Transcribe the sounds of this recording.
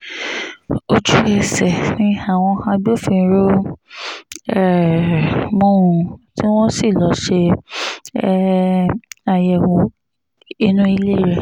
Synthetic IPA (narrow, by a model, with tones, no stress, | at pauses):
o˧d͡ʒu˦e˧˨sɛ˨nĩ˧˦a˨w̃ɔ̃˧hã˧bi˦o˦˨fĩ˧˦ɾo˦ | ɛ˦˨ | mũ˦˨ti˦w̃ɔ̃˦si˦˨lɔ˨˦ʃe˧˦ | a˧jɛ˨wo˨˦ | i˧nũ˦i˧le˦˨ɾe˨